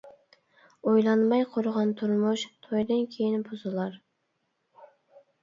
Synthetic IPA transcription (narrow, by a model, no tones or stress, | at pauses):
ojlˠɑnmɑjqʰoɾʊʁɑnt̪ʰuɾmuʃt̪ʰojd̪ɨnkʲʰejinbozɨlˠɑɾ